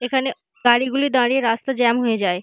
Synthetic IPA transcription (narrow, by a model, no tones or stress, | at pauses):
ekʰane | ɡaɽiɡulid̪aɽieɾast̪ad͡ʑɛmɦoed͡ʑae